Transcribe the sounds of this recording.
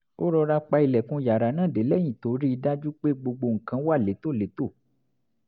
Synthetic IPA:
o˦ɾɔ˧ɾa˧k͡pa˧i˧lɛ˨kũ˧ja˨ɾa˨˦nãː˦˨de˨˦lɛ˦jĩ˨to˨˦ɾi˦i˧da˦d͡ʒu˦k͡pe˦ɡ͡bo˧ɡ͡bo˧ŋ̩˨kã˧˦wa˦˨le˨˦to˦˨le˨˦to˦˨

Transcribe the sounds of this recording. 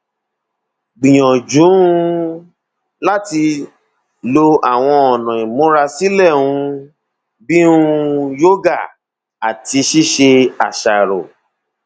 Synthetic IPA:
ɡ͡bĩ˨j̃ɔ̃˨d͡ʒũ˨˦ | la˦ti˧ | lo˧a˨w̃ɔ̃˧ɔ˨nɔ̃˨ĩ˨mõ˦ɾa˧si˦lɛ˦˨ũ˧ | bi˦ũ˦˧jo˦ɡa˦˨ | a˨ti˧ʃi˦ʃe˧a˨ʃa˨ɾo̰˨

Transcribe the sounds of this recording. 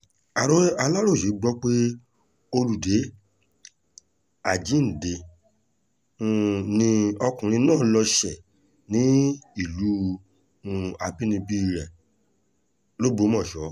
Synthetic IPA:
a˨ɾo˦a˧la˦ɾo˦˨ʃi˨˦ɡ͡bɔ˦k͡pe˦ | o˧ɾu˨de˨˦ | a˦˨d͡ʒĩ˨˦n̩˨de˧˦ | nĩ˧ɔ˧kũ˨ɾ̃ĩ˧nãː˦˨˦lɔ˧ʃɛ˨ | nĩ˨˦i˦˨lu˨˦ | a˨bi˦nĩ˧bi˦˧˨ɾɛ˨ | lo˦bo˧˦mɔ̃˦˨ʃɔ˨˦

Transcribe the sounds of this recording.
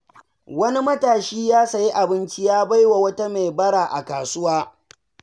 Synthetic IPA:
wɐ˦ni˦mɐ˦taː˨ʃiː˦jaː˦sɐ˨ji˦ʔa˨bɪ˦nt͡ʃi˦jaː˦ba˦jwa˨wɐ˦ta˦me˨jbɐ˦ɽaː˨ʔa̰˨kaː˨sʊ˦waː˦

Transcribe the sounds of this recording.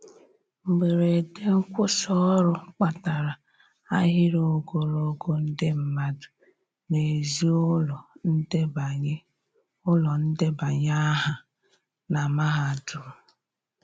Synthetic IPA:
ŋ͡m̩˨ɡ͡be˨ɾe˨de˦ŋ̩˦kʷʊ˦sɔ˦ɾʊ˦k͡pa˨ta˨ɾa˨ | a˦ɦɪ˦ɾo˦ɡo˨ɾo˦ɡo˦n̩˦dɪ˦m̩˦ma˦dʊ̥˨ | ne˨zi˦ɔ˨n̩˦de˦ba˨ɲe˦ | ʊ˦lɔ˨n̩˦dɪ˦ba˨ɲa˦ɦa˨ | na˨ma˦ɦa˨du˨

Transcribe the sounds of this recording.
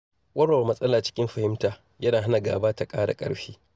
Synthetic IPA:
wɐ˦ɽwa˨mɐ˦sʼɐ˦laː˨t͡ʃɪ̥˦kʲɪ˦mɸɐ˨hɪ˦mtaː˨ | jɐ˦naː˨ɦa˦na˨ɡa̰ː˨baː˦ta˨kʼaː˦ɽa̰˨kʼɐ̰˦ɽɸiː˦

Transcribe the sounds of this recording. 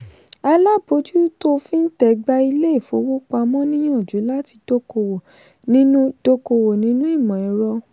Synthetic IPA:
a˧la˦bo˨˦d͡ʒu˦to˦fĩ˦n̩˦tɛ˨˦ɡ͡ba˧i˧le˦i˦˨fo˧˦wo˦k͡pa˧mɔ̃˦nĩ˦j̃ɔ̃˦o˦˨d͡ʒu˨˦la˦ti˧do˦ko˧wo˨ | nĩ˦nũ˦d̥o˦ko˧wo˨nĩ˨˦nũ˦i˦˨mɔ̃˨ɛ˨˦ɾɔ˧

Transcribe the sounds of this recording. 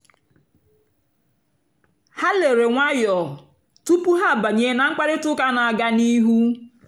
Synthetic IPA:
ha˦le˨ɾe˨ŋʷa˦jɔ˨ | tu˦pu˦ɦa˦˨ba˨ɲe˨˦na˨ŋ͡m̩˦k͡pa˦ɾɪ˦tʊ˦ka˦na˨a˨ɡa˦ni˦ɦu˦

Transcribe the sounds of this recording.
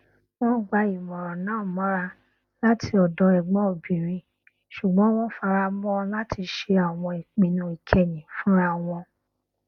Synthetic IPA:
w̃ɔ̃˦ɡ͡ba˧i˨mɔ̃˨ɾɔ̃˨nãː˦˨mɔ̃˨˦ɾa˧ | la˦tʰi˧ɔ˨dɔ˨˦ɛ˨ɡ͡bɔ̃˨˦o˨bi˨ɾĩ˧ | ʃu˨ɡ͡bɔ̃˨˦w̃ɔ̃˦fa˧ɾa˧˦mɔ̃˦la˦tʰi˧ʃe˧a˨w̃ɔ̃˧i˨k͡pĩ˨nũ˧˦i˨kʰɛ˨nĩ˨fũ˨˦ɾa˧w̃ɔ̃˧

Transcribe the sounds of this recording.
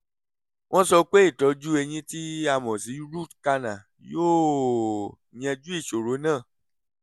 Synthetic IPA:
w̃ʔɔ̃˦sɔ˧k͡pe˦i˦˨tɔ˨˦d͡ʒu˦e˧j̃ĩ˧ti˦a˧mɔ̃˨si˨˦ɾu˦˨tka˧nã˨ | joː˦˨ | j̃ɛ̃˧d͡ʒu˦i˦˨ʃo˨ɾo˨˦nãː˦˨

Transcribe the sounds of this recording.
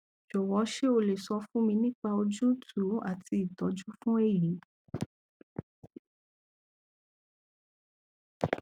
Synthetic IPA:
d͡ʒɔ˨wɔ˨˧˦ʃe˦o˧le˨sɔ˧fũ˦mĩ˧nĩ˦k͡pa˧o˧d͡ʒu˦tʰu˨˦a˦˨ti˧i˨tɔ˨˦d͡ʒu˦fũ˦e˦˨ji˨˦

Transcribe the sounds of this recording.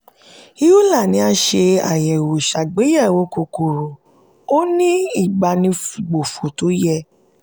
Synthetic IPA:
i˦ju˦la˦˨nĩ˨˦a˧ʃe˧a̰˨jɛ˨wo˨ʃa˨ɡ͡be˨˦jɛ˦˨wo˨˦ko˧ko˨ɾo˨ | o˦nĩ˦i˦˨ɡ͡ba˨nĩ˧fu˨ɡ͡bo˨fo˨to˨˦jɛ˦˧

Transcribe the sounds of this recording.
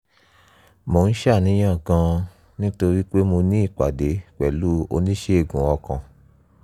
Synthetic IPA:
mo˨˦n̩˦ʃa˦˨nĩ˨˦j̃ã˦˨ɡã˧ | nĩ˦to˧ɾi˦k͡pe˦mo˧nĩ˦i˦˨k͡pa̰˨de˨˦k͡pɛ̰˨lu˦o̰˧nĩ˦ʃe˦e˦˨ɡũ˨ɔ˧kã˨

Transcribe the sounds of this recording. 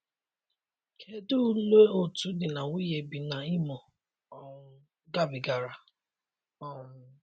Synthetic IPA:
kʰe˦du˦le˦o˨tu˨˦dɪ˨na˨wi˦je˨bi˨na˨i˦mɔ˨˦ | ɡa˦bɪ˨ɡa˨ɾa˨ | ɔ˦˨˦

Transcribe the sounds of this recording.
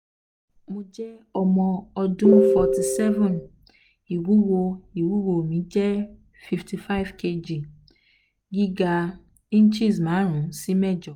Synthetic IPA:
mũ˨d͡ʒɛ˦ɔ˨mɔ̃˨ɔ˨dũ˦fɔ˨ti˨sɛ˦vɔ̃˨n | i˨wu˦wo˦i˨wu˦wo˨mĩ˨˦d͡ʒɛ˦ | fi˨fti˨fa˦ɪ˨˦vkʰe˦d͡ʒi˨ | ɡi˦ɡa˨ | ĩ˦n˦t͡ʃi˦s̬mã˨˦ɾ̃ũ˨si˦mɛ˦d͡ʒɔ˨

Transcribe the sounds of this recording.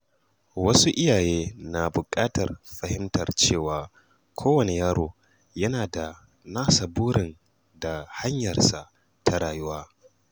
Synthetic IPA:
wɐ˦su˦ʔɪ˦jaː˨jeː˦na˨bʊ˨kʼaː˦tɐ˨rɸɐ˨hɪ˦mtɐ˨rt͡ʃeː˦˨waː˨ | kʷʰoː˦wɐ˨ne˨jaː˦ɾoː˨ | jɐ˦naː˨da˨ | naː˦sɐ˨buː˦ɽɪ˨n | da˨ha˦ɲjɐ˨rsa˨ʔ | tʰa˨ɽaː˨jʊ˦waː˦

